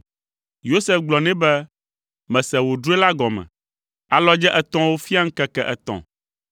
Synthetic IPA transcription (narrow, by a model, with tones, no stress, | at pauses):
jo˦se˦˨fɡ͡blɔ˨nɛ̃˦bɛ˦ | mɛ̃˨sɛ˨wo˨ɖu˦e˦la˦ɡɔ˨mɛ̰̃˨ | a˨lɔ˦d͡ʒɛ˦ʔɛ˨t̪ɔ̃˦wo˦fi˦a˦ŋ̩˦kɛ˦kɛ˦˨ʔɛ˨t̪ɔ̰̃˨